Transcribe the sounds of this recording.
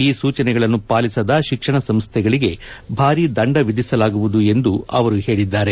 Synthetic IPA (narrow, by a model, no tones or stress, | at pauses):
iːsuːt͡ʃɐnɛɡɐɭɐnːupaːlisɐd̪ɐʃikʂɐɳɐsɐmst̪ʰɛɡɐɭiɡe̞bʱaːɾid̪ɐɳɖɐʋid̪isɐlaːɡuʋud̪ue̞nd̪uɐ̰ʋɐɾuhe̞ːɭid̪ːaːɾe̞